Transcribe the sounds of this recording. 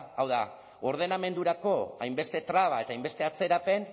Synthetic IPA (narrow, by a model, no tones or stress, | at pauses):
awða | o̞ɾð̞e̞name̞nd̪uɾako̞ajmbe̞st̪e̞t̪ɾaβ̞ae̞t̪ajmbe̞st̪e̞at͡se̞ɾape̞n